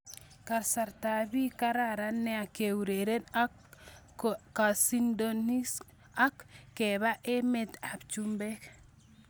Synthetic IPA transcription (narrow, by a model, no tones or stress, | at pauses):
kaɾsaɾtabikaɾaɾanːeakewuɾeɾen | kasindonis | akːeβaʔemetabt͡ʃumbek